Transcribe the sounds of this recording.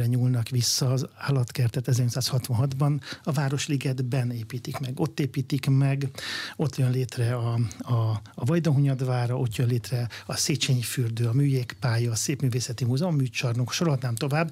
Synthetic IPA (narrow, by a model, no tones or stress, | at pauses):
ɛɲuːlnɒkʋisːɒːzaːlɒt̪kɛrt̪ɛt̪ɛzɛrɲot̪saːshɒt̪ʋɒnɦɒd̪bɒnɒvaːɾo̞ʃliɡɛd̪bɛneːpiːt̪ikmɛɡo̞t̪ːeːpiːt̪ikmɛɡo̞t̪jønleːt̪rɛɒɒvɒjd̪oɦuɲɒd̪ʋaːɾɒʔo̞t̪jønleːt̪rɛɒseːt͡ʃeːɲifyrd̪øːɒmyːjeːkpaːjɒːseːpmyːveːsɛt̪imuzɒomːyːt͡ʃɒrnukʃoɾoɦɒd̪naːmt̪o̞vaːbː